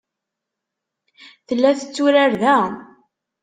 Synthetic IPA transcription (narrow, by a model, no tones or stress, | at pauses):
θəlːæθə̥t͡sːuɾaɾðæ